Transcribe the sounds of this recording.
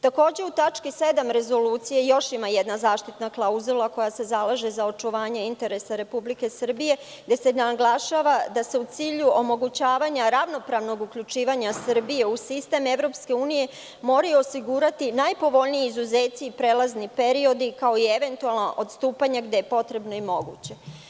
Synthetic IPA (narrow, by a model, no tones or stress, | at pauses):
t̪ako̞ːd͡ʑe̞ut̪at͡ʃkise̞d̪amɾe̞zo̞luːt̪sijejo̞ʃimajed̪nazaːʃt̪it̪naklˠauzulˠako̞jase̞zalˠaʒe̞zao̞t͡ʃuʋaːɲeint̪e̞ɾe̞saɾe̞publike̞sr̩bije̞ | ɡd̪e̞senaɡlˠaʃaːʋad̪ase̞ut̪siːʎuʔo̞mo̞ɡut͡ɕaːʋaɲaɾaʋno̞pɾaʋno̞ɡukʎut͡ʃiːʋaɲasr̩bije̞usist̪e̞meʋɾo̞pske̞uːnije̞ | mo̞ɾajuosiɡuɾat̪inajpo̞ʋo̞ʎnijiizuzeːt̪siːpɾeːlˠaznipe̞ɾio̞d̪ikao̞ie̞ʋe̞nt̪ualˠnaʔo̞d̪st̪uːpaɲaɡd̪e̞jepo̞t̪ɾe̞bno̞imo̞ɡṵt͡ɕe̞